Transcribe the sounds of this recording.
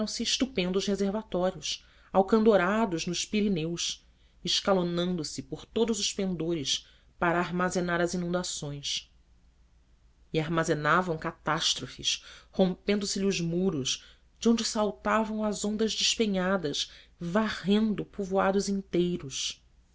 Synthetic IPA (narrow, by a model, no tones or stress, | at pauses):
ɐ̃w̃sɪːʃt̪upẽnd̪ʊʃhezeɾvat̪ɔɾiʊs | awkɐ̃nd̪oɾad̪ʊznʊʃpiɾinews | ɪʃkalonɐ̃nd̪ʊsɪpoɾt̪od̪ʊzʊʃpẽnd̪oɾɪs | paɾɐːɾmazenaɾɐzinũnd̪asõj̃s | iaɾmazenavɐ̃w̃kat̪aʃt̪ɾofɪ̰ʃhõmpẽnd̪ʊsɪʎɪʊʒmuɾʊʃ | d͡ʒɪõñd͡ʒɪsawt̪avɐ̃w̃ɐzõnd̪ɐʒd͡ʒɪʃpeɲad̪ɐʃvaʁẽnd̪ʊpuvoad̪ʊzĩnt̪ejɾʊʃ